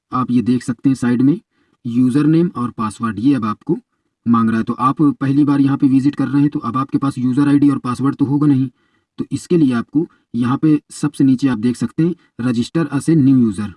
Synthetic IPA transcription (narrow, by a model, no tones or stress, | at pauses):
aːpjed̪eːkʰsɐk̚t̪eɦɛ̃saːɪɖmẽ | juːzəɾneːmɔːɾpaːsʋəɾɖjeɐbaːpko | mãːŋɡɾaːɦɛt̪oʔaːppɛɦlibaːɾjɐɦãpeʋɪzɪʈkɐɾːɐɦɦɛ̃t̪oʔɐbaːp̚kepaːsjuːzəɾaːɪɖiɔːɾpaːsʋəɾɖt̪oɦoːɡanɐɦĩ | t̪oʔɪskelieaːp̚ko | jɐɦãpesɐbseniːt͡ʃeaːp̚d̪eːkʰsɐkt̪eɦɛ̃ | ɾɐd͡ʒɪsʈəɾɐsenjuːjuːzəɾ